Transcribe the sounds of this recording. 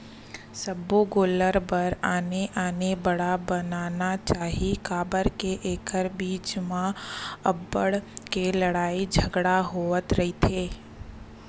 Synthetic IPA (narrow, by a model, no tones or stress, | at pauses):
sɐboɡoːləɾpɐɾaːneʔaːnebəɽabɐnaːnat͡ʃaːɦikaːbəɾkeʔeːkəɾbiːt͡ʃmãɐbːəɽkelɐɽaːid͡ʒʱɐɡɽaɦoːət̪ɾɐɦit̪ʰeː